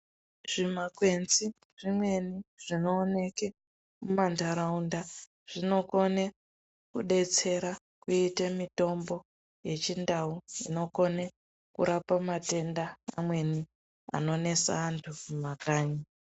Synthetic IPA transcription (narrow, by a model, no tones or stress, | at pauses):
ʐ̥imakwe̞nzi | ʐ̥imwe̞niʐ̥ino̞ːne̞ke | mumandaɾaunda | ʐ̥ino̞ko̞ne | kuɗe̞t͡se̞ɾa | kuitamito̞mbo̞ | je̞t͡ʃindauino̞ko̞ne | kṵɾapamate̞ndaa̰mwe̞ni | a̰no̞ne̞sa̰ːntʰumakaːɲi